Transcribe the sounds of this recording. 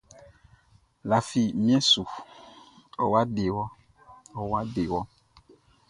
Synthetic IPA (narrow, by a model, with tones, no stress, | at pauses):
la˨fi˨mĩ˦ɛ˦su˨ | ɔ˨wa˦ɖe˨wɔ˦ | ɔ˨wa˦ɖe˨wɔ˦